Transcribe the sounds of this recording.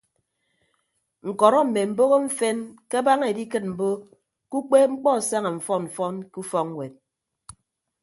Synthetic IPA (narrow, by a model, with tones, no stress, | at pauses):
ŋ̩˨kɔ˨ɾɔ˦m̩˨me˨m̩˨bo˦ɣo˦ɱ̩˦fe˦nke˦a˦ba˦ŋ˦˨e˨di˦kɨ˦t̚m̩˨bo˦ | ku˦k͡pe˦ŋ͡m̩˦k͡pɔ˦˨sa˦ŋa˨ɱ̩˨fɔ˦ɱ̩˨fɔ˦nku˦fɔ˦ŋŋ˦we˨t̚